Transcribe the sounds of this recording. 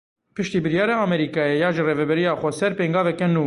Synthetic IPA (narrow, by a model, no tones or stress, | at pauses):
pʰɨʃt̪iːbɨɾjɑːɾɑːɑːmɛɾiːkɑːjɛjɑːʒəreːvɛbɛɾijɑːxʷɛsɛɾpeːŋɡɑːvɛkɛnuː